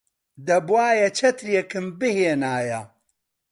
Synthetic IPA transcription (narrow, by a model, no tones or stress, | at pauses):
d̪ɐbwaːjɐt͡ʃʰɐt̪ɾjekɨmbɨheːnaːjɐ